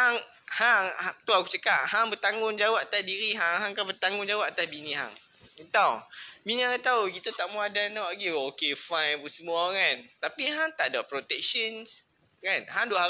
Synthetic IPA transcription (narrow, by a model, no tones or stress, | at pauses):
haŋ | haŋat̪uakut͡ʃəkaʔ̚haŋbət̪aŋɡʊŋd͡ʒawaʔat̪asdiɾiɦaŋɦaŋkabət̪aŋɡʊŋd͡ʒawaʔat̪asbinĩɦa̰ŋ | it̪awbiniaŋat̪awɡit̪ut̪aʔmuadanɔaɡiokefajnpusəmũakant̪apiɦaŋt̪aʔdapɾot̪ɛk̚ʃəns | kanɦaŋdoʔɦa